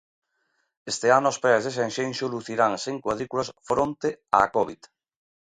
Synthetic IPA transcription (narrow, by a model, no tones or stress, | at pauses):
est̪eanʊɔspɛzðes̬enʃenʃoluθiɾaŋseŋkwaðɾikulasfɾont̪ea̰ːkɔβit̪